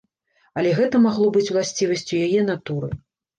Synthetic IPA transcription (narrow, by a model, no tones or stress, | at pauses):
ɐlʲɛɣɛt̪ɐmaɣlˠɔbɨt͡sʲwlˠasʲt͡sʲivɐsʲt͡sʲujajɛn̪at̪uɾɨ